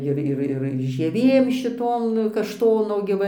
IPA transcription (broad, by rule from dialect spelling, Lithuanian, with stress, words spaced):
ˈɪr ˈɪr ɪr ʒʲiɛˈʋʲeːm ʃʲɪˈtoːm kɐʃˈtoːnoː ɡʲɪ ˈʋɐ